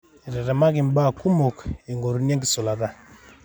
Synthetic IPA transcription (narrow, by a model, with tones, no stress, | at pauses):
i˨ɾɛ˨ɾa˨ma˦ki˨m˦ba˦˨ku˦mɔ˨ki˨ŋɡo˨ɾu˨˦ni˦e˦ŋɡi˨sɔ˨la˨ða˦